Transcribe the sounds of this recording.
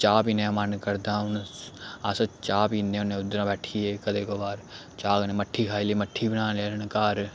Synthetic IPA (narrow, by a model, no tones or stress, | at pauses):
t͡ʃaːpinẽmənkəɾd̪ãːʊnaːsət͡ʃaːpinːeːʊnẽːʊd̪ɾãːbɛːʈʰiːeːkəd̪eːkoːbaːɾ | t͡ʃaːɡneːməʈʰːiːkʰaːiliːməʈʰːiːbənãːleːnkaːɾ